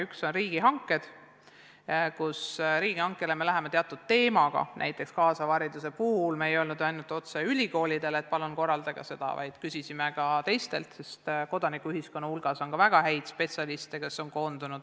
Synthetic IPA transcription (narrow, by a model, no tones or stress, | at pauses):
ykso̞nriːɡ̥iɦɑŋkːˑe̞d̪̥ | kusɾiːɡ̥ihɑŋkːˑe̞leme̞læɦe̞met̪eɑt̪ːˑud̪̥̚t̪e̞ːmɑɡ̥ɑ̰næ̰jt̪ːˑe̞kskɑːsɑvɑɾid̪use̞puːlmeejo̞lnud̪ɑjnult̪ːˑo̞t̪seylʲiko̞ːlid̪e̞let̪̚pɑlunko̞rːɑld̪ɑɡ̥ɑ̰se̞d̪̥ɑ̰vɑ̰jd̪̥kysisimekɑt̪e̞jst̪e̞̰lt̪se̞st̪ko̞d̪̥ɑnikːˑuyhisko̞nːɑhulɡ̥ɑso̞nkɑvæɡ̥ɑɦæjd̪̥spe̞t̪sʲɑlist̪eke̞sːo̞nko̞ːnd̪̥unud̪̥